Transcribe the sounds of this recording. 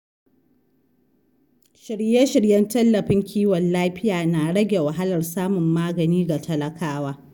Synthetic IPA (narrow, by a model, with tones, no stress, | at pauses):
ʃɪ˨ɽjɛ˦ʃɪ˨ɽjɐ˦ntɐ˦lːɐ˨ɸɪ˦ŋkʲʰiː˦wɐ˨nlaː˦ɸɪ˦jaː˨naː˨ɽɐ˦ɡʲe˨wɐ˨ɦa˦lɐ˨rsaː˦mʊ˨mːaː˦ɡɐ˨niː˦ɡa˨tɐ˦lɐ˦kaː˦waː˦